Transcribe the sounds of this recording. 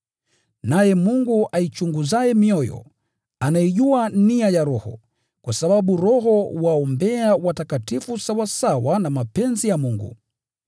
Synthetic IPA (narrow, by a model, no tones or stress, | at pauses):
najɛmuŋɡuʔait͡ʃuŋɡuzajɛmiɔjɔ̰ | anaiʄuaniajaɾɔhɔ̰ | kwasaɓaɓuɾɔɦɔwaɔmbɛawatakatifusawasawanamapɛnzijamuŋɡṵ